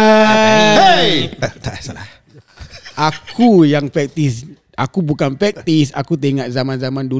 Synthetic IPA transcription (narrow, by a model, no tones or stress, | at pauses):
t̪asaa | ʔakʰujaŋpɾɛk̚t̪is | ʔakubukanpɛk̚t̪isa̰kut̪eŋaʔzamãnzamãndu